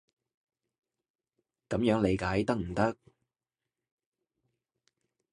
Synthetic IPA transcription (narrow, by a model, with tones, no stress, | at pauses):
kɐ˨˥mjœː˨˥ŋle˨˧jkaː˨˥jt̪ɐ˥k̚m̩˨˩t̪ɐ˥k̚